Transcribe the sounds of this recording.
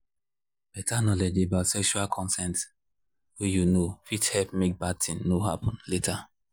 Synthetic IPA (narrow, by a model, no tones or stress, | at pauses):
b̥ɛtʰanɔled͡ʒebaʊtsɛkʃualkʰɔ̃nsɛ̃nt | wejunofithɛlpmek̚bad̚tĩŋnoɦa̰pʰɔ̃nletʰa